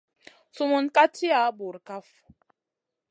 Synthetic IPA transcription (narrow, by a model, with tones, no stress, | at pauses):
su˦mu˦nka˦ti˦a˨˦bu˨ɾka˦f